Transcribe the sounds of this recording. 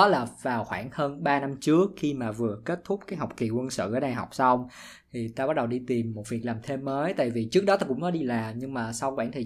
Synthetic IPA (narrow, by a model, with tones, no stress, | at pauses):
ɔ˨˦laː˨˩vaː˨˩wxwaː˧˩ŋhəː˧nɓaː˧na˧mt͡ɕɨ˦˥əkxi˧maː˨˩vɨ˨˩əke˦˥t̚t̪ʰʊ˦˥k͡p̚kaː˨˦jɦa˨˩wk͡p̚ki˨˩kwə˧nsɨ̰˧˨ʔəː˨˦na˨˩jɦa˨˩wk͡p̚sa˧wŋ͡m | t̪ʰi˨˩t̪aː˧ɓa˦˥ɗə˨˩wɗi˧t̪i˨˩mːo˨˩t̚vi˨˩ək̚laː˨˩mt̪ʰe˧mːəː˨˦jt̪a̰ː˧˨jvi˨˩t͡ɕɨ˦˥ək̚ɗɔ˨˦t̪aː˧kʊ̰˧˥ŋ͡mkɔ˨˦ɗi˧laː˨˩mɲɨ˧ŋmaː˨˩sa˧wkwaː˧˩nt̪ʰi˨˩